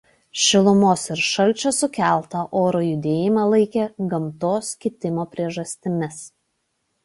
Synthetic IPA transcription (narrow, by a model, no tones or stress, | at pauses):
ʃʲɪlˠʊmoːsɪɾʃɐlʲˑt͡ʃʲosʊkʲæˑlˠˑt̪ɐʔoːɾoːjʊd̪ʲeːjɪmɑːlˠɐɪkʲeːɡɐmt̪oːskʲɪt̪ʲɪmoːpʲɾʲiɛʒɐsʲt̪ʲɪmʲɪs